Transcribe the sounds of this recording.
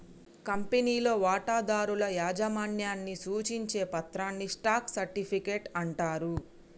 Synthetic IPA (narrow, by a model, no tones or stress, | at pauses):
kɐmpeniːlo̞ːʋaːʈaːd̪aːɾulɐjaːd͡ʒɐmaːnjaːnːisuːt͡ʃiɲt͡ʃe̞ːpɐt̪ɾaːnːisʈaːksɐɾʈipʰike̞ːʈɐɳʈaːɾu